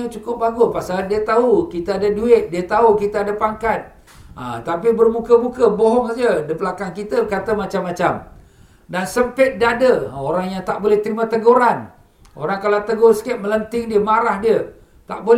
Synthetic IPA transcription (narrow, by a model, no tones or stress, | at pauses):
ət͡ʃukʊp̚baɡʊspasalndiət̪aukit̪əadəduɪt̪̚diət̪aɦukit̪əadəpaŋkat̪̚ | ə̰t̪apibərmũkəmũkəboɦɔŋd͡ʒədəpəlakankit̪əkat̪əmat͡ʃamːat͡ʃam | dansəmpɪt̪̚dadəoɾaŋjaŋt̪aʔ̚bolɛht̪əɾimə̃t̪əɡuɾan | o̰ɾaŋkalat̪əɡʊrsə̥kat̪̚mələnt̪ɪŋdiəmaɾahdiə | t̪a̰ʔbol